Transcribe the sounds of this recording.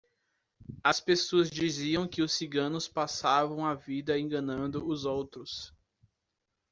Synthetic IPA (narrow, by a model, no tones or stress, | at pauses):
ɐspesoɐzd͡ʒiziɐ̃w̃kɪʊsːiɡɐ̃nʊspasavɐ̃w̃avid̪ɐẽŋɡɐ̃nɐ̃nd̪ʊʊzowt̪ɾʊs